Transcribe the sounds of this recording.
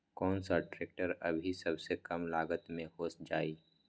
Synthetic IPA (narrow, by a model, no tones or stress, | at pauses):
kɔːnsaɖɾeːk̚ʈəɾɐ̰bʱisɐbsekɐmlaːɡət̪mẽhoːsd͡ʒaːiː